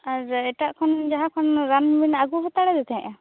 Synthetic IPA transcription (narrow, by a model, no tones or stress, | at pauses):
aɾɛʈaʔkʰɔnd͡ʒaɦãkʰɔnɾanbinaɡuɦɔt̪aɽɛd̪ɛt̪ʰɛɛ̃ʔa